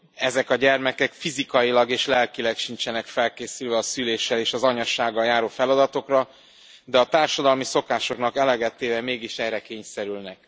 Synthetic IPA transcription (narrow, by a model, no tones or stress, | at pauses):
ɛzɛkɒɟɛrmɛkɛkfizikɒjilɒɡeːʃlɛlkilɛkʃint͡ʃɛnɛkfɛlkeːsylvɛɒsyleːʃɛleːʃɒzɒɲɒʃaːɡːɒljaːɾoːfɛlɒd̪ɒt̪o̞krɒ | d̪ɛɒt̪aːrʃɒd̪ɒlmiso̞kaːʃo̞kn̪ɒkɛlɛɡɛt̪ːeːvɛmeːɡiʃɛːɾɛkeːɲsɛɾylnɛk̚